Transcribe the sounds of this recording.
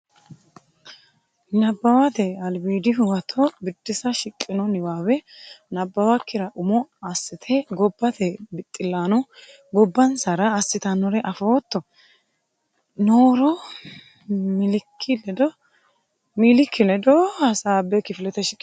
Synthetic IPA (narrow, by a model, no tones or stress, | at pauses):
nɐbːɐwat̪ɛɐlbiːd̪ɪɦʊwɐt̪ʰːɔbɪd̪ːɪsɐʃɪkʼːɪnɔnɪwaːwɛnɐbːɐwakːɪɾɐʔʊmɔɐsːɪt̪ʰɛɡɔbːɐt̪ɛbɪt̪ʼːɪlːaːnɔ | ɡɔbːɐnsɐɾɐːsːɪt̪ɐnɔɾɛʔɐfo̞ːt̪ːɔ | noːɾɔ | mɪlɪkʰːɪlɛd̪ɔ | miːlɪkʰːɪlɛd̪ɔhɐsaːbɛkɪfɪlɛt̪ɛʃɪkʼː